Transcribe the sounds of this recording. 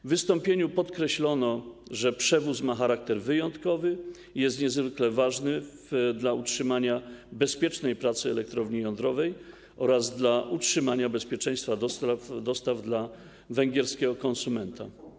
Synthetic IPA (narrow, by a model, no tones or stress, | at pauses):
vɘst̪ɔ̃mpʲjeɲupɔt̪kɾɛɕlɔnɔʐɛpʂɛvusmaxaɾak̚t̪ɛɾvɘjɔnt̪kɔvɘ | ijɛst̪ɲɛzvɘklɛvaʐnɘvd̪lautʂɘmaɲabɛspʲjɛt͡ʂnɛjpɾat̪sɘɛlɛk̚t̪ɾɔvɲijɔ̃nd̪ɾɔvɛj | ʔɔɾazd̪laʔut͡ʂʂɘmaɲabɛspʲjɛt͡ʂɛ̃j̃st̪fad̪ɔsafd̪ɔst̪avd̪la | vɛŋɡʲɛɾskʲɛɡɔkɔnsumɛnt̪a